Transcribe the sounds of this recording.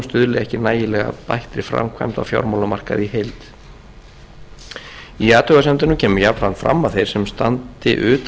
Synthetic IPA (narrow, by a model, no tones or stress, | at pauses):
st̪ʏðlɪɛhcɪnaːjɪlɛɣa̰pa̰jht̪ɾɪfɾa̰mkʰva̰jmt̪a̰wfja̰wɾmawlamar̥ka̰ðihejlt̪ | iaːt̪ʰœɣasɛmt̪ʏnːʏmcʰɛːmʏjapɾanfɾa̰mːaθejɾ̥sɛmst̪a̰nt̪ɪ̰ʔʏːt̪